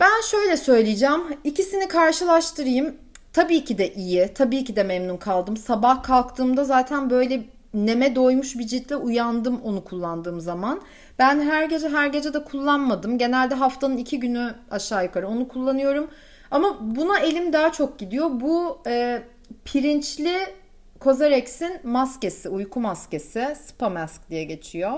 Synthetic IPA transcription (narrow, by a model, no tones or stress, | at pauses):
b̥ænʃø̞jlʲɛsø̞jlʲijid͡ʒɛːmicʰisinikʰaɾʃɯlˠaʃt̪ʰɯɾɯjɯm | t̪ʰabiːcʰid̪ɛʔijit̪ʰabiːcid̪ɛmɛmnunkʰalˠd̪ɯmsabahkʰalˠkt̪ʰɯːmd̪azaːt̪ʰænbø̞jlʲɛ | ne̞mɛd̪o̞jmuʃbid͡ʒit̪ʰlʲɛʔujand̪ɯmo̞nukʰulˠːand̪ɯːmzaman | b̥ænɦæɾɟe̞d͡ʒɛɦæɾɟe̞d͡ʒɛd̪ɛkʰulˠːanmad̪ɯmɟe̞nælʲd̪ɛɦaft̪ʰanɯnicʰiɟynyaʃaːjɯkʰaɾɯo̞nukʰulˠːanɯjo̞ɾum | amabunaʔe̞lʲimd̪aːt͡ʃʰo̞k̚ɟid̪ijo̞buɛː | pʰiɾint͡ʃlʲi | kʰo̞zaɾɛcsinmasce̞siujkʰumasce̞sɪsɯ̥pʰamɛsk̚d̪ijɛɟe̞t͡ʃʰijo